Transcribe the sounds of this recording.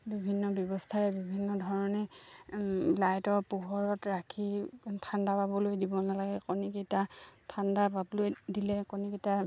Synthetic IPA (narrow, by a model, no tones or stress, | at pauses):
bibʱinːɔbjɔbɔstʰaɹɛbibʱinːɔdʱɔɹɔnɛ | lajtɔɹpuɦɔɹɔtɹakʰitʰandapabɔlojdibɔnalaɡɛkɔniketatʰandapabɔlojdilɛkɔniketa